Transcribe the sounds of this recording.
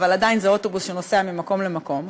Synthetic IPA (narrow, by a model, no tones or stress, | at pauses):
valadainzeo̞to̞busʃeno̞se̞amimako̞mle̞mako̞m